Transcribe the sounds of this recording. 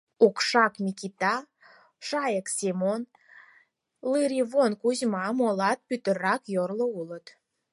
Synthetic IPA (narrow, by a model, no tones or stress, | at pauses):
ukʃɑkmʲikit̪ɑ | ʃɑjəksemon | lɨɾiβonkuzmɑmolɑt̪̚pyt̪ə̆ɾɑkjorloulət̪